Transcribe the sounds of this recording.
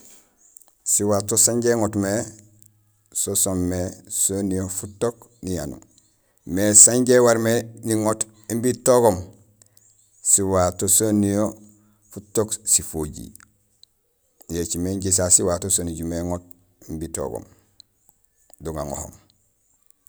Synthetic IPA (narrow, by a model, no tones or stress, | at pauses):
siwaːtosaɲɟeŋotme | sosomːesonijofutok | nijanṵ | mesaɲɟewaɾmeniŋot | imbitoɡom | siwatosonijo | futoksifoɟḭ | jet͡ʃimeɲɟis̬asiwatosoniɟumeŋot̚ | imbito̰ɡo̰m | duŋa̰ŋo̰ho̰m